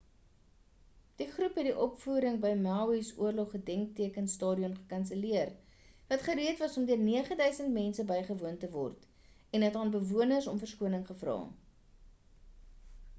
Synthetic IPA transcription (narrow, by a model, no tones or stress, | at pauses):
d̥iχrupɦɛt̚diʔɔpfuːɾəŋbəjmælisṵərlɔχːədɛŋk̚tiəkənstɑːdiɔnχə̥kɐnsəliər | vɐtχəɾiətvɐsɔmdiərniəχədœɥsəntmɛnsəbəjχəvuəntəvɔ̰rt | ɛnɦətɑːnbəvuənərsɔmfərskuənəŋχəfrɑ̰ː